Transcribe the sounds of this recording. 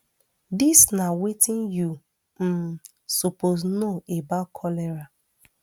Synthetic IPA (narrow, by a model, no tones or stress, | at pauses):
disnawetɪ̃nju | m̩ | soposnoebakʰɔlɛɾa